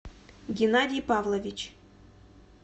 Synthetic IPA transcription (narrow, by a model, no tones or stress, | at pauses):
ɡʲɪnadʲɪjpavlˠɐvʲɪt͡ɕ